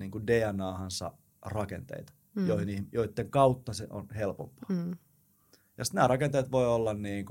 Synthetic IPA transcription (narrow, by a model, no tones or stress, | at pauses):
niːŋkundeːænɑːhɑnsɑ̰ | rɑkḛnt̪ḛit̪ɑ̥ | joihinihmjoit̪ːeŋkɑut̪ːɑsḛʔo̰nhelpo̰mpɑ̥ː | jɑsi̥t̪næːɾrɑkent̪eit̪ʋoiolːɑnniːŋk